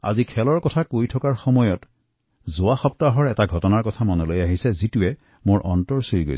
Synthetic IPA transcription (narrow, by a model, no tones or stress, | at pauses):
a̰zikʰɛlɔɹkɔtʰakojtʰɔkaɹxɔmɔjɔt | zʊwaxɔptaɦɔɹɛtaɡʱɔtɔnaɹkɔtʰamɔnɔlojaɦisɛzituɛ | moɹʔɔ̰ntɔɹsoɹiɡo̰j